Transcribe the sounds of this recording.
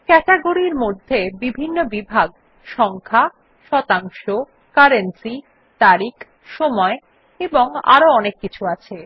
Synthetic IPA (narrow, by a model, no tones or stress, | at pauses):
kɛʈeɡoɾiɾmod̪ʱːebibʱinːobibʱaɡ | ʃɔŋkʰa | ʃɔt̪aŋʃo | kaɾensi | t̪aɾik | ʃɔmɔe | eboŋa̰ɾoɔnekːit͡ɕʰuat͡ɕʰe